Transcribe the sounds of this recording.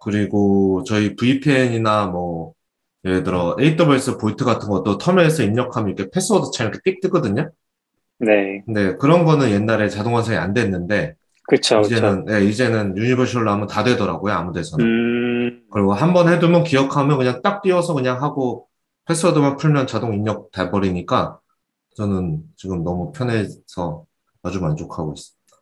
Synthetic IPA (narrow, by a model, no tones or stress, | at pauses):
kɯɾiɡot͡ɕʌipuipʰːɲinamwʌ | eedɯɾʌe̞itʰʌbeɭs͈ɯpoitʰɯɡatʰɯnɡʌt͈otʰʌmjʌesʰʌimɲʌkʰamjʌnikʰe̞pʰe̞s͈ʰʌdɯt͡ɕʰaiɲʌkʰet͈ik̚t͈ɯk͈ʌdɯɲo | ne̞kkɯnde̞kɯɾʌnɡʌnɯnje̞nːaɾe̞t͡ɕadoŋwʌnsʰeŋia̰ndwe̞nːɯnde̞ | kɯt͡ɕʰod͡ʑenɯnje̞id͡ʑe̞nɯnjuɲibʌɕʰiɯɭnamʌntadwe̞dʌɾa̰ɡojoamude̞sʰʌnɯn | kɯɾʌɡoɦambʌnhe̞dumjʌnkijʌkʰamjʌkɯɲaŋt͈ak̚t͈ɥiʌsʰʌkɯɲaŋɦaɡo | pʰe̞s͈ʰʌdɯmak̚pʰuɭmjʌnt͡ɕadoŋiɲːʌk̚taɭbʌɾiɲik͈a | t͡ɕʌnɯnt͡ɕiɡɯmnʌmupʰjʌne̞sʰʌ | mad͡ʑumand͡ʑokʰaɡois͈ɯ̥mid̥ḁ